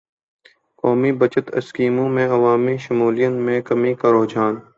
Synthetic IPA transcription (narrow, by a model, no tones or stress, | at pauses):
kɔːmibət͡ʃət̪ə̰skiːmõmẽɐʋaːmiʃʊmuːlijənmẽkɐmĩkaɾoːd͡ʒaːn